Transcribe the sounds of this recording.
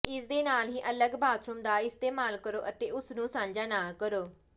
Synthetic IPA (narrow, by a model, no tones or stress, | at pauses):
ɪsd̪eːnaːlɦiːʔələɡbaːt̪ʰɾʊmd̪aːɪst̪eːmaːlkəɾoːʔət̪eːʊsnũːsãːɲd͡ʒaːnãːkəɾoː